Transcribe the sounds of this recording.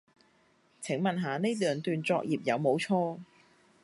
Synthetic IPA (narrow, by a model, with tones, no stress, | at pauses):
t͡sʰɪ˨˥ŋmɐ˨nɦaː˨˧ne˥t̪œː˨ŋt̪yː˨˧nt͡sɔː˧k̚jiː˨p̚jɐ˨˧wmo˨˧˥wt͡sʰɔː˥